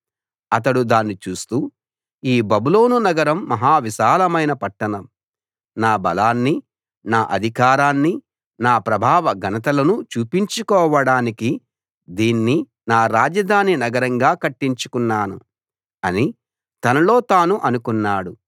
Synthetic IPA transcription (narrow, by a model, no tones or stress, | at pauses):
ɐt̪ɐɽud̪aːnːit͡ʃuːst̪uː | iːbɐbulo̞ːnunɐɡɐɾɐmːɐɦaːʋiʃaːlɐmɐjnɐpɐʈːɐnɐm | naːbɐlaːnːi | naːʔɐd̪ʱikaːɾaːnːi | naːpɾɐbʱaːʋɐɡɐnɐt̪̬ɐlɐnut͡ʃuːpiɲt͡ʃukɔːʋɐɽaːniki | d̪iːnːi | naːɾaːd͡ʒɐd̪ʱaːninɐɡɐɾɐŋɡaːkɐʈːiɲt͡ʃu̥kunːaːnṵ | ɐni | t̪ɐnɐlo̞ːt̪aːnuʔɐnukunːaːɽu